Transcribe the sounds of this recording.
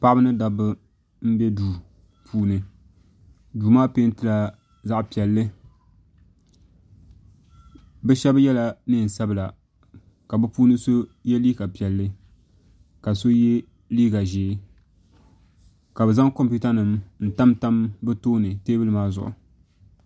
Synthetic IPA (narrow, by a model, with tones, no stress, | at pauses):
pa˦ʔɨ˦nɨ˦da˨bɨ˦ | m̩˦bɛ˦duː˨ | pʰuː˦nɨ˨ | duː˨maː˦pe˦n˦tɨ˦la˨ | za˦ʔpi˨ɛ˨lːɨ˦ | bɛ˦ʃɛ˦bjɛ˦la˦nɨ˦˨n̩˨sa˦bla˨ | ka˨bɨ˦puː˦nɨ˦so˦jɛ˦liː˦ka˨pi˨ɛ˨lːɨ˦ | ka˨so˦jɛ˦ | liː˦ɡa˨ʒeː˨˦ | ka˨bɛ˨za˦ŋko˦mpu˦ta˦nɨ˨mn̩˨ta˦mta˦mbɨ˦toː˦nɨ˨teː˦bɨ˦lɨ˨maː˦zʊ̰˨ʔʊ̰˨